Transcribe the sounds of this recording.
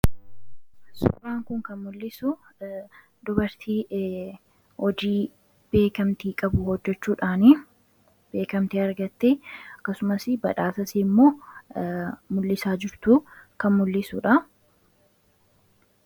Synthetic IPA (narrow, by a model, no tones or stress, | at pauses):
sʊ̰raːŋkʊŋkɐnmʊlːɪsʊ | d̪ʊbɐɾt̪ʰiː | hɔd͡ʒiː | b̥e̞ːkɐmt̪iːkʼɐbʊhɔd͡ʒːɛt͡ʃːuːᶑaːnɪ | b̥e̞ːkɐmt̪iɐɾɡɐt̪ːeɐkːɐsʊmɐsɪbɐᶑaːsɐsiːmːo̞ː | mʊlːɪsaːd͡ʒɪɾt̪ukɐnmʊlːɪsṵːᶑɐ